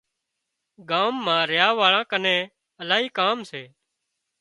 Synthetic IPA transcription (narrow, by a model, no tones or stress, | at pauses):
ɡaːmːãːɾjaːʋaːɭãːkənẽː | əlaːɦiːkaːmseː